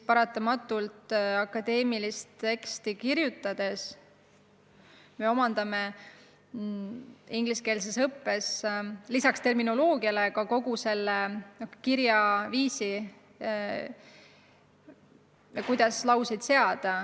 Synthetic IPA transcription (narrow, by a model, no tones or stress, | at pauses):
pɑɾɑt̪ːˑɑmɑt̪ːˑult̪ˑɑkːɑd̪̥e̞ːmilist̪e̞kst̪ikirjut̪ːˑɑd̪̥e̞s | me̞o̞mɑnd̪̥ɑme | iŋɡ̥liske̞ːls̬esɤpːe̞slisɑkst̪e̞rmino̞lo̞ːɡiɑlekɑko̞ɡ̥use̞lːeokkiɾjɑviːsi | ɑkujd̪̥ɑslɑwsid̪̥se̞ɑd̪̥ɑ